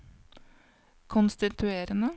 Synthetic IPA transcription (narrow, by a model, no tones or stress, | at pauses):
kʰʊnst̪ɪt̪ʰʉeːɾənə